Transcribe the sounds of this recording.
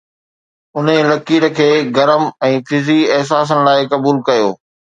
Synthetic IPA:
ʊnelɐkiːɾə̆kʰeːɡɐɾəmɛ̃ːfɪziɛɦs̬aːs̬ənɪ̆laːɪkɐbuːlkɐjoː

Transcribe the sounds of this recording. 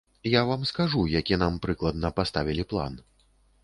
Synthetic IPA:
javamskaʐujakʲinampɾɨklˠɐd̪̚nɐpast̪avʲilʲiplˠa̰n

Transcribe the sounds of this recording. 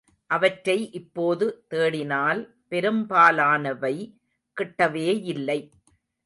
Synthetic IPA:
ʔɐʋɐʈɾɐɪʔɪpːoːðɯt̪eːɽɪnaːl | pɛɾɯmbaːlaːnɐʋɐɪ | kɪʈːɐʋeːjɪlːɐɪ

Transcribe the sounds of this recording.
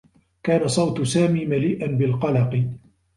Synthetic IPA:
kaːnasˤɑwt̪saːmiːmaliːʔanbɪlqɑlɑqɨ

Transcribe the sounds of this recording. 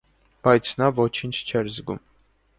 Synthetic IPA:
b̥ɑjt͡sʰnɑvɔt͡ʃʰint͡ʃʰt͡ʃʰɛɾzɡṵm

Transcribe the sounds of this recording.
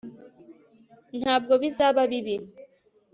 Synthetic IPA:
nab̚ɡobizababibi

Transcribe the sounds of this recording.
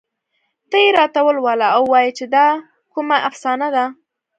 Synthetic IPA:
t̪əjeɾɑt̪awəlwɑlaawːɑjit͡ʃed̪ɑ | kumaʔafsɑnad̪a

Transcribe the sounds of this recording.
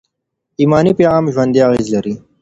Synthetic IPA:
iːmɑːnipeɣaːmʒwɐnd̪iaɣeːzlɐɾi

